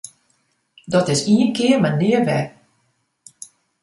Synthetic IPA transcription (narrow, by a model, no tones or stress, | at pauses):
dɔtɪsiənkɪəmaniərʋɛ